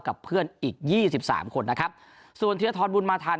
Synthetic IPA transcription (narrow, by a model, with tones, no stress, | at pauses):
ka˨˩pʰːɯ˥˩ənʔiː˨˩k̚jiː˥˩si˨˩p̚sa̰ː˩˦mkʰo˧nːa˦˥kʰɾa˦˥p̚ | su˨˩ənt̪ʰɯ˨˧ɐt̪ʰɔː˧nbu˧nmaː˧t̪ʰaː˧